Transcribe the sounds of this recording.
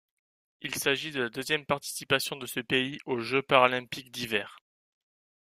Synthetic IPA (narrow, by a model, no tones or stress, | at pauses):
ilsaʒid̪əlad̪øzjɛmpaʁt̪i̥sipasjɔ̃d̪əsəpeiʔoʒøpaʁalɛ̃pikd̪ivɛːʁ